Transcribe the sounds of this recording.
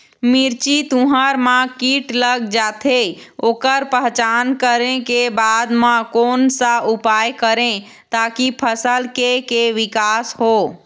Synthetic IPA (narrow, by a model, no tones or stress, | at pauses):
miɾt͡ʃit̪ũɦaɾmãkiʈləɡd͡ʒaːt̪ʰe | oːkəɾpəɦt͡ʃankəɾẽkebad̪mãkoːnsaupaːjkəɾẽ | t̪aːkipʰəsəlkekeʋɪkaːsɦoː